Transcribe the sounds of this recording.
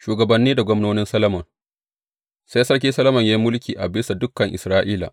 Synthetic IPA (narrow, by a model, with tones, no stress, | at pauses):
ʃuː˨ɡɐ˨bɐ˨nːiː˦da˨ɡʷɔ˦mnoː˦nɪ˦nsɐ˦lɐ˦mɐ˨n | sa˦jsɐ˦ɽkʲiː˦sɐ˦lɐ˦mɐ˨ɲja˦i˦mʊ˦lkʲiː˨ʔa˨bɪ˦sa˨dʊ˦kːɐ˨ŋʔɪ̰˨sɾaː˦ʔiː˦la̰ː˨